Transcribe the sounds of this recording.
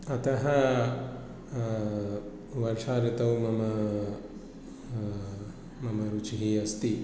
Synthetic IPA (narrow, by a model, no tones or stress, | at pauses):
ɐt̪ɐɦɐ | ʋɐɾʂaːɾɪt̪ɐwmɐmɐ | mɐmɐɾut͡ʃiɦiɐst̪i